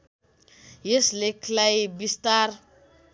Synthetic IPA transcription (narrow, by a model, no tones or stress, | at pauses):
jeslekʰlajbistar